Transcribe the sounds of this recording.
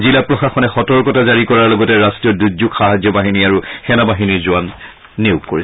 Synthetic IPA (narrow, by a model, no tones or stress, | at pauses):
zilapɹɔxaxɔnɛxɔtɔɹkɔtazaɹikɔɹaɹlɔɡɔtɛɹastɹijɔduɡzukxaɦazjɔbaɦiniaɹuxɛnabaɦiniɹzʊanː | eʊkːoɹis